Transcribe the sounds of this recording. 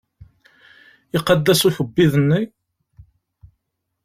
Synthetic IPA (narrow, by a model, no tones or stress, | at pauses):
ɪqɑd̪ːæsuθəbːiðənːi